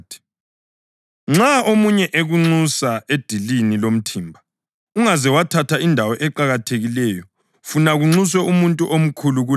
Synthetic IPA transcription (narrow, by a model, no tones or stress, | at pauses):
tʰi̥ | ŋ͡ǁaomuɲɛʔeɣuŋ͡ǀusaed̥ʱilinilom̩tʰiːmbʱa | uŋazɛwatʰatʰaindʱawɔʔɛǃaɣatʰeɣilɛjɔ | funaɣuŋ͡ǀus̬wɛumuntʼuʔom̩kʰuluɣu